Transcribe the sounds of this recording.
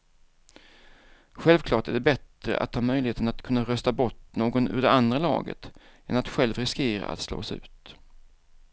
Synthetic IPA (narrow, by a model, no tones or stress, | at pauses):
ɧɛlvkʰlɑːʈæɖɛbɛt̪ɾə̰ʔa̰t̪hɑːmœjlɪheːt̪ənat̪kʰɵnːaɾœst̪abɔʈnoːɡɔnʉ̟ːɖ̪ɛand̪ɾalɑ̰ːɡə̰t̪ɛnat̪ɧɛlvɾɪskeːɾa̰a̰t̪slo̰ːsʉ̟ːt̪